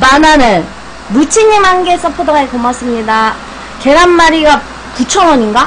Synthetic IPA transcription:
mananɯn | mut͡ɕʰiɲimɦanɡes͈ʌpʰodʌɡaekʌmas͈ɯmɲida | ke̞ɾanːaɾiɡa | kut͡ɕʰʌŋʌɲiŋɡa

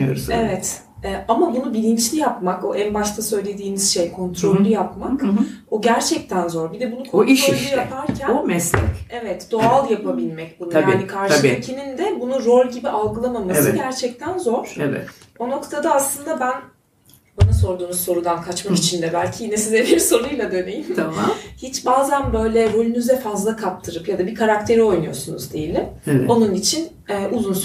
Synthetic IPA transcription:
jo̰ɾuevɛt̪ | ɛːʔamabunubilʲint͡ʃlʲijapmakoʔænbaʃt̪ʰasø̞jlʲe̞d̪iːniz̥ʃejkʰo̞nt̪ʰɾo̞lʲːyjapmakoɟæɾt͡ʃʰɛc̚t̪ʰænzo̞ɾbid̪ɛbunukʰooiɾolːʲujapʰaɾcʰænomɛslɛ̰cevɛt̪d̪̥o̞alˠjapʰabilʲmɛc̚bunujaaːnikʰaɾʃɯecʰinind̪ɛbunuɾo̞lʲɟibiʔalˠɡɯlˠamamaɯɟæɾt͡ʃʰɛc̚t̪ʰænzo̞ɾ̥evɛ̰t̪ | ono̞kt̪ʰad̪aːslˠɯnd̪abæn | banaso̞ɾd̪uːnuzso̞ɾud̪ankʰat͡ʃmakit͡ʃʰind̪ɛbælʲcʰijinɛsizʲɛbiɾso̞ɾujlˠad̪ø̞ne̞jimt̪ʰamahit͡ʃbaːzænbø̞jlʲɛɾolʲynyzɛfazlˠakʰap̚t̪ʰɯɾɯpjad̪abikʰaɾak̚t̪ʰe̞ɾio̞jnujo̞sunṵzd̪ejilʲːɪɛo̞nunit͡ʃʰin | ɛːʔuzuns

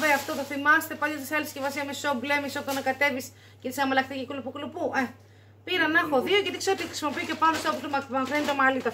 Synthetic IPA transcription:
veɐft̪ot̪oθimɐst̪e̞pɐlɐst̪iseɐliscevɐsiɐmesoblemisot̪onɐkɐt̪e̞vis | cet̪i̥sɐmelɐkt̪icikulupukulupuʔe | piɾɐnɐxoðiocet̪ixkseɾot̪ixɾi̥simo̞piice̞pɐnd̪ost̪opot̪omɐkɾenit̪omɐlit̪o

